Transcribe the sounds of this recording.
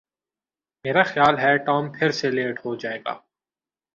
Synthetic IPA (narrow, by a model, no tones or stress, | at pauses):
meːɾaxjaːlɦɛʈɔːmpʰɪɾseleːʈɦod͡ʒaːeːɡa̰ː